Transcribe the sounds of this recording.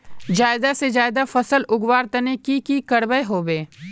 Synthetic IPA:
d͡ʒaːɪd̪ased͡ʒaːɪd̪afɐsəlʊɡwaːɾt̪ɐnekikikɐɽbəjɦoːbeː

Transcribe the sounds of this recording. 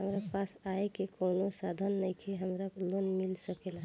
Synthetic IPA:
ɦəmɾapasaekekoːnosad̪ʱənːəjkʰeɦəmɾalonmilsəkela

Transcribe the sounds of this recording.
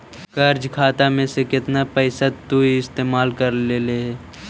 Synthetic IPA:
kɐɾd͡ʒkʰaːt̪amẽsekɪt̪napəɪsat̪uiɪst̪eːmaːlkəɾleːleɦɛː

